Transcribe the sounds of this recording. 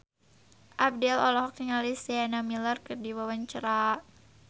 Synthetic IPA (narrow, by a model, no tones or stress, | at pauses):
ʔab̚dɛlɔlɔɦɔk̚niŋalisɛanamilərkɨrdiwawaɲt͡ʃəɾa